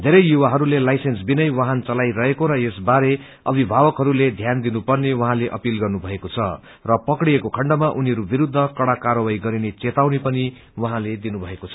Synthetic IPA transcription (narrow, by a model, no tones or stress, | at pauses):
d̪ʱeɾʌjjuwaɦʌɾulelajsensbinʌjwaɦant͡sʌlajɾʌɦekoɾʌesbaɾe | ʌbʱibʱabʌkɦʌɾuled̪ʱjand̪inupʌrnewʌɦãleʔʌpilɡʌrnubʱʌekot͡sʰʌ̰ | rʌpʌkɽijekokʰʌɳɖʌmaʔuniʌɾubiɾud̪ʱːʌkʌɽakaɾʌwajɡʌɾinet͡set̪awnepʌni | wʌɦãled̪inubʱʌekot͡sʰʌ